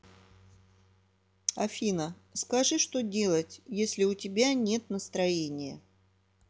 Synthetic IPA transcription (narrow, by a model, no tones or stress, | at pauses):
ɐfʲinə | skɐʐɨʂt̪o̞dʲe̞lˠətʲjesʲlʲɪʊtʲɪbʲanʲe̞t̪nəst̪ɾɐjenʲɪjə